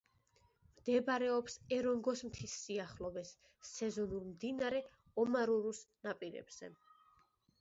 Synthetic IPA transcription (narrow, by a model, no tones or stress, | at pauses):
md̪̥ɛbaɾɛɔpsɛɾɔŋɡɔsmt̪ʰisːiaχlɔbɛsː | ɛzɔnulˠmd̪inaɾɛ | ɔmaɾuɾusnapʼiɾɛ̰bz̥ɛ̰